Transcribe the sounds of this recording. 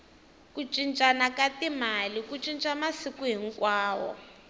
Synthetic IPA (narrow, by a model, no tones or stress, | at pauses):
kut͡ʃʼint͡ʃʼanakatimalikut͡ʃʼint͡ʃʼamasikuɦiŋkwaːwɔ̰